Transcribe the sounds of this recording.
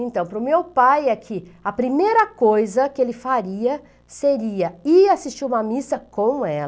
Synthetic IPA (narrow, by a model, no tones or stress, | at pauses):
ẽnt̪ɐ̃w̃pɾʊmewpajɐkʰɪɐpɾimejɾɐkojzɐkɪelɪfaɾiɐ | seɾiɐɪasist͡ʃiũmɐmisɐkõw̃ɛl